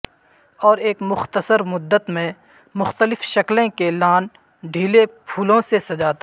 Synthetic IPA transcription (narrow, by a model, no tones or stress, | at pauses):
ɔːɾeːkmʊxt̪əsəɾmʊd̪ːət̪mẽ | mʊxt̪əlɪfʃɐklẽkelaːn | ɖʱiːlepʰuːlõsesɐd͡ʒaːt̪ː